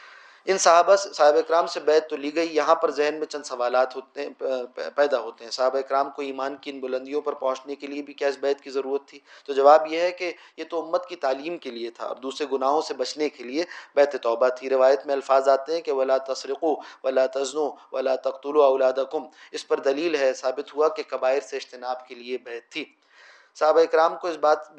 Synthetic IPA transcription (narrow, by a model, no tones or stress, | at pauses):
ɪnsɐaːbasaːɦɪbaɪkɾaːmsebɛːt̪ːoliːɡɐijɐɦãpɐɾzɛɦnmẽt͡ʃɐ̃nd̪sɐʋaːlaːt̪ɦoːt̪ | pɛːd̪aɦoːt̪eɦɛ̃saːɦɪbaɪkɾaːmkoiːmaːnkiɪnbʊlə̃nd̪ijõpɐɾpɐ̃ɦʊ̃t͡ʃnekeliebʱikɛːsbɛːt̪kizɐɾuːɾət̪ʰːiːt̪od͡ʒɐʋaːbjeɦɛke | jet̪oʊmːət̪kit̪aːliːmkeliet̪ʰa̰ɐ̰b̚d̪uːsɾeɡʊnaːɦõsebɐt͡ʃnekeliebɛːt̪et̪ɔːbat̪ʰiɾɪʋaːjət̪mẽɐlfaːzaːt̪eɦɛ̃keʋɐlaːt̪ɐsɾɪquːʋɐlaːt̪ɐznuʋɐlaːt̪ɐqt̪ʊluɐʊlaːd̪ɐkʊmɪspɐɾd̪ɐliːlɦɛsaːbɪt̪ɦuakekɐbaːɪɾseɪʃt̪ɪnaːbkeliebɛːt̪ʰːiː | sɐɦbaɪkɾaːmkoɪsbaːt̪